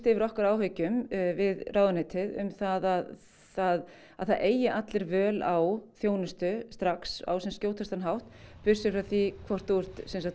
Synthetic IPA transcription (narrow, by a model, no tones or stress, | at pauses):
t̪ɪvɪɾɔhkaɾaːwɦœɥcʏmvɪðrʔaːwðʏnɪːt̪ʰɪðʏ̰mθaðað | θað | aðθaðeːjɪʔat̪lɪɾvœːlawθjoːwnʏst̪ʏst̪ɾaksa̰wsɛmscjoːwt̪ʰast̪anɦawht̪pʏ̥sʏfɾawθikʰvɔr̥t̪uɛr̥t̪sɛnsa